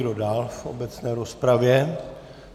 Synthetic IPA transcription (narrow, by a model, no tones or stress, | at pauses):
dodaːlfo̰bɛt͡snɛːɾospɾavjɛ